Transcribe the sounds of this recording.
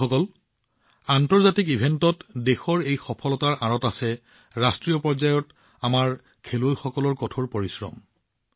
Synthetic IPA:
ɔkɔl | antɔɹzatikibʱentɔtdexɔɹejxɔpʰɔlɔtaɹaɹɔtasɛ | ɹastɹijɔpɔɹzajɔt | amaɹ | kʰelojxɔkɔlɔɹkɔtʰoɹpoɹisɹɔ̰m

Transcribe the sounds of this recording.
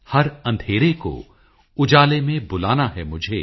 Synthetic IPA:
hɐɾɐ̃nd̪ʱeːɾeko̰ | ʊd͡ʒaːlemẽbʊlaːnaɦɛmʊd͡ʒʱeː

